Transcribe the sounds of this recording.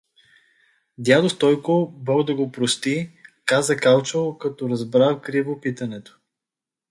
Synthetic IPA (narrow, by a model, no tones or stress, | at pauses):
d̪ʲjad̪ost̪ɔjkobɔɡd̪ɐɡopɾost̪ikazəkalˠt͡ʃolˠkɐt̪ɔɾɐzbɾawkɾivopit̪ɐnɛt̪o̥